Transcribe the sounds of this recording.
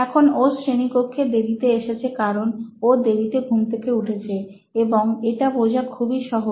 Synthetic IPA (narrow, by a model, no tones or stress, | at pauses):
ɛkʰonosɾenipokʰːed̪ebit̪eeʃet͡ɕʰekaɾonod̪ebit̪ebʱumt̪ʰekeuʈʰet͡ɕʰe | eboŋeʈabod͡ʑʱakʰubiʃɔɦo